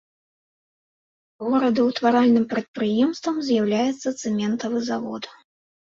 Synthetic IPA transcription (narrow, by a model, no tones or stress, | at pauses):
ɣɔɾɐd̪ɨwt̪vaɾalʲnɨmpɾɐt̪̚pɾɨjɛmst̪vɐmzʲjawlʲajɛt̪sːɐt̪sɨmʲɛnt̪ɐvɨzavɔ̰t̪